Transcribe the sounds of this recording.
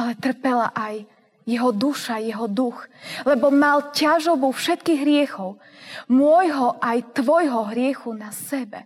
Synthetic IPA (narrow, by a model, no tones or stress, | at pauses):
alɛt̪r̩pɛla̰ʔaj | jɛɦɔd̪uʃajɛɦɔd̪uxlɛbɔmalcaʒɔbufʃɛt̪kiːɣɦɾɪɛxɔʊ | mʊɔjɦɔʔajt̪ʋɔjɦɔɦɾɪɛxunasɛbɛ̰